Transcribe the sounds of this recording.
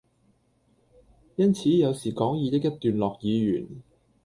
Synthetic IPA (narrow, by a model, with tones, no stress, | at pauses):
jɐ˥nt͡sʰiː˨˥jɐ˨˧wsiː˨˩kɔː˨˥ŋjiː˨˧t̪ɪ˥k̚jɐ˥t̪yː˨nlɔː˨k̚jiː˨˧ɥy̰ː˨˩n